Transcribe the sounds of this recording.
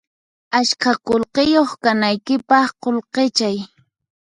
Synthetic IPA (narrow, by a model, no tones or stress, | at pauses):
aʃkakolqejoχkanajkɪpɑχqolqet͡ʃaj